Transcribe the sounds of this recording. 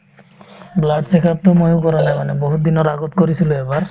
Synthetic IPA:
blad̪sekʰap̚t̪omojowkɔɾanajmaneboɦut̪d̪inoɾaɡot̪koɾisʰiloebaɾ

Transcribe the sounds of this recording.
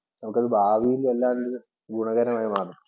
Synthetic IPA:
nɐmukːɨɐðɨbʱaːʋijilelːaːndɨ | ɡuɳɐɣɐɾɐmaːjimaːru

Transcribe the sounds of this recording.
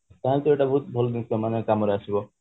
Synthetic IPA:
t̪aɦãlt̪ɔeʈabɔɦut̪̚bʱɔld̪ikɔmanekamɔɾeasibɔ

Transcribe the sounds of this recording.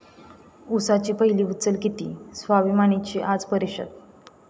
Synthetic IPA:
usat͡ɕiːpəɦiliːut̪t͡səlkit̪iːsʋaʋimaɳ̃it͡ɕiʔad͡zpəɾiɕə̰d̪

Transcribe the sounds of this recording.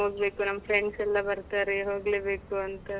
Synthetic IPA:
ɦoːɡbeːkunɐmːɐpʰɾeɳɖsɛlːɐbɐɾt̪aːɾeɦoːɡleːbeːkuɐnt̪ɐ

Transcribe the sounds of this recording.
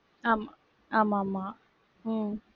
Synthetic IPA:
ama | amama

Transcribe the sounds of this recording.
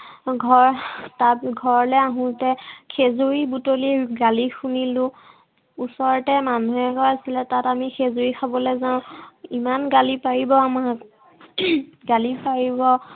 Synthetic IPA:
ɡʱɔɹtatɡʱɔɹlɛaɦũtɛkʰezuɹibutoliɡalixunilʊ̃ | usɔɹɔtɛmanuɛkɔasilɛtatamixʰezoɹikʰabɔlɛzãʊ̃imanɡalipaɹibɔamak | ɡalipaɹibɔ

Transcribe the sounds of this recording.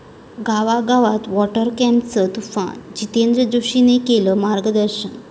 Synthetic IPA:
ɡaʋaɡaʋat̪ʋɔʈəɾkɛ̃mpt͡sət̪ufã̰d͡ʑit̪end̪ɾəd͡ʑoɕinekeləmaɾɡəd̪əɾɕən

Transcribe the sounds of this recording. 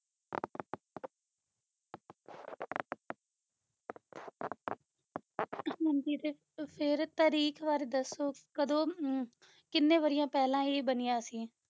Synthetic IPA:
ɦə̃nd͡ʒiːɾeː | pʰɪɾt̪əːɾiːkʋaːɾeːd̪əsoːkəd̪õː | kɪnːẽːʋəɾɪjãːpɛːlãːiːbənɪjaːsiː

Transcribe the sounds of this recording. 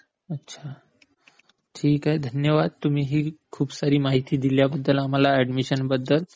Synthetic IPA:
ətːɕʰa | ʈʰiːkɦed̪ʱənjəʋad̪̚t̪um̤iːɦiːkʰuːbsaɾiːmaɦit̪iːd̪iljabəd̪ːəlam̤alaæɖmiɕənbəd̪ːəl

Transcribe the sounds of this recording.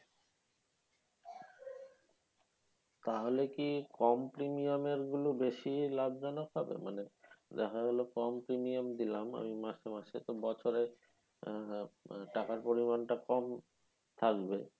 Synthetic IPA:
t̪aɦolekikɔmpɾimijameɾɡulobeʃilab̚d͡ʑɔnokɦɔbḛmanedakʰaɦolokɔmpɾimiamd̪ilama̰mimaʃemaʃet̪obɔt͡ɕʰoɾe | ʈakaɾpoɾimanʈakɔm | t̪ʰakbe

